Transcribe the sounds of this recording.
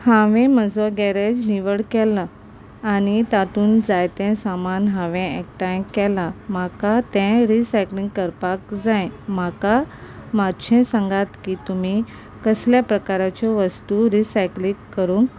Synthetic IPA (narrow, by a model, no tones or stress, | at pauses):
hãʋɛ̃məd͡zɔɡɛɾed͡ʑniʋəɽkɛlːaː | nit̪at̪uːnd͡zajt̪ɛ̃samanɦãʋɛ̃ɛkʈaj̃kːɛlamakat̪ɛ̃ɾisajklĩŋɡkəɾpakd͡zãjmakamad̪ɕʰɛ̃sãŋɡat̪kiːt̪umi | kəsljapɾəkaɾat͡ɕɔʋəst̪uɾisajklĩkːəɾũːŋk